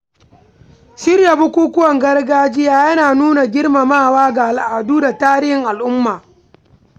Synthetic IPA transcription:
ʃɪ˦rja˨bʊ˦kʷuː˦kʷʊ˦wɐ˨ŋɡɐ˦rɡaː˦d͡ʒɪ˦jaː˦jɐ˦naː˨nuː˦na˨ɡʲɪ˦rma˨maː˦˨waː˦ɡa˨a˨lʔa˨duː˦da˨taː˦ɾɪ˦hɪ˨ŋʔa˨lʔʊ˦mːaː˨

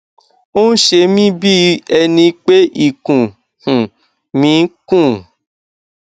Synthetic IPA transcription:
o˦n̩˦ʃe˧mĩ˦bi˦ɛ˧nĩ˧k͡pe˦ʔi˦˨kũ˨ | hũ˨ | mĩ˨˦kũ˦˨

